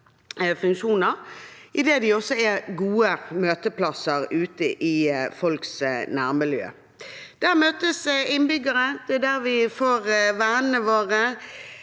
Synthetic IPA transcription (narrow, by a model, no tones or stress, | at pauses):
fʉŋkʃuːnəʁʔɪd̪eːd̪ɪɔsːɔɛɡuːəmøːt̪əplɑsəʁʉːt̪əʔɪfɔlksnæːʁmɪljø̰ː | d̪̥æːʁmøːt̪əsɪnbʏɡəɾəd̪̥ɛd̪æɾʋɪfoːʁʋæːnənəʋoːʁə